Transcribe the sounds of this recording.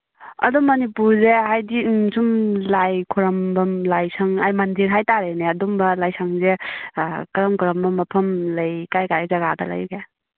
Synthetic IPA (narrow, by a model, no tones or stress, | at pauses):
ɐ̰dumɐnipuɾzeɦajdisumlajkʰuɾɐmbɐmlajsaŋa̰jmandiɾɦajtaɾeneɐdumbɐlajsaŋze | kɾɐmkʰuɾɐmbɐmːɐpʰɐmlɐjkajkaɾezaɡadɐ̰la̰jɡe